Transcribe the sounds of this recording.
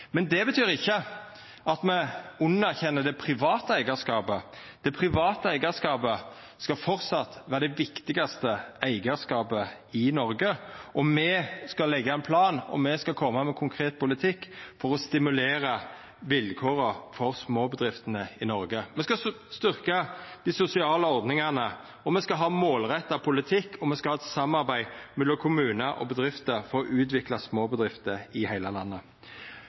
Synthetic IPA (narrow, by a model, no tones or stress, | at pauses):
mɛnd̪ɛbət̪ʰyːɾɪçːə | ɑt̪mɛʊnːɑʁçɛnːəd̪ɛpʰɾɪʋɑːt̪əæɪɡɑskɑːbə | d̪̥ɛpʰɾɪʋɑːt̪əæɪɡɑskɑːbə | skɑfɔɾt̪sɑt̪ːʋæːɾəd̪ɛʋɪkt̪ɪɡɑst̪əæɪɡəskɑːpə | ɪnɔɾɡəʔɔmɛskɑlɛɡːəæɪnpʰlɑːnɔ̰mɛskɑkʰɔmːəmɛkʰʊŋkʰɾeːt̪̚pʰʊlɪt̪ʰɪkːfɔɾɔst̪ɪmʉleːɾə | ʋɪlkʰoːɾəfɔɾsmoːbəd̪ʁɪft̪ənəɪnɔɾɡəmɛskɑ | st̪ʏʁkɑd̪̥ɪsʊsɪɑːləɔɾd̪nɪŋɑnə | ɔmɛskɑɦɑːmoːlʁɛt̪ːɑpʰʊlɪt̪ʰɪkːʰɔmɛskɑhɑːɛt̪sɑmɑʁbæɪmɛlːɔmkʰʊmʉːnəʔɔ̰bəd̪ɾɪft̪əɾfɔɾɔʔʉːt̪ʋɪklɑsmoːbəd̪ʁɪft̪əɪhæɪləlɑnːə